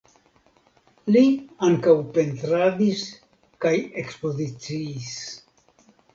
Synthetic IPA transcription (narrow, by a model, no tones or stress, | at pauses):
liaŋkawpe̞ntɾadis | kaje̞kspo̞zit͡siːs